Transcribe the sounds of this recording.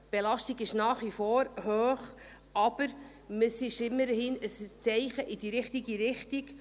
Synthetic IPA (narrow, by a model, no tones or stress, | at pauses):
b̥elɑʃtiɡɪʃnɑːχʋifoːɾhøːχ | ɑb̥əɾ | məsɪʃɪmːəɾhɪnəst͡sɛɪχəʔidiːɾɪχtiɡiɾɪχtiɡ